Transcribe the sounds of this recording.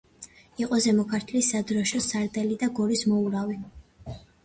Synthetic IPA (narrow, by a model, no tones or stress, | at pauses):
iqʼɔzɛmɔkʰaɾt̪ʰlisad̪ɾɔʃɔsaɾd̪ʼɛlid̪aɡɔɾismɔuɾavi